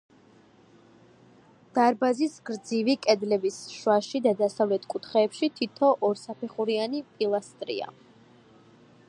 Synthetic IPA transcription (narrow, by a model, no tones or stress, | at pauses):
d̪̥aɾbazisɡɾd̪zivikʼɛd̪lɛbisʃwaʃid̪ad̪asavlɛt̪ʰkʼut̪ʰχɛːpʃit̪ʰit̪ʰɔʔɔɾsapʰɛχuɾianipʼilˠast̪ʼɾḭa̰